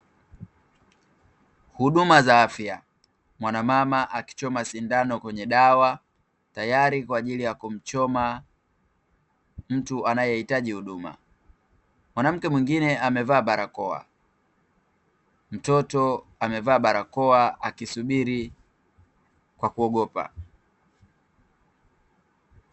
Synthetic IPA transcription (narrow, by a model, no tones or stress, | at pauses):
huɗumazaafja | mwanamamaʔaki̥t͡ʃɔmasindanɔkwɛɲɛɗawa | tajaɾikwaːʄilijakum̩t͡ʃɔma | m̩tuʔanajɛhitaʄihuɗuma̰ | mwanam̩kɛmwiŋɡinɛamɛvaːɓaɾakɔa̰ | m̩tɔtɔ | amɛvaːɓaɾakɔaakisuɓiɾi | kwakuɔɠɔpa̰